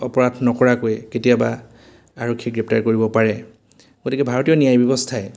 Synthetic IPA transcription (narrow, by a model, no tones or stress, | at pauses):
ɔpɔɹadʰʱnɔkɔɹakojketijaba | aɹɔkʰːiɡɹɛp̚taɹkoɹibɔpaɹɛ | ɡotikɛbʱaɹɔtijɔnijajbjɔbɔstʰaɛ